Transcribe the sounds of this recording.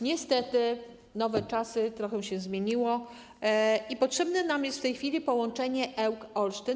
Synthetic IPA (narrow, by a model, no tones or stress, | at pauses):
ɲɛst̪ɛt̪ɘ | nɔvɛt͡ʂasɘt̪ɾɔxɛw̃ɕɛ̃zmʲeɲiwɔ | ipɔtʂɛbnɛnamjɛst̪ft̪ɛjxfʲilʲipɔwɔnt͡ʂɛɲɛʔɛwkɔlʂtɘ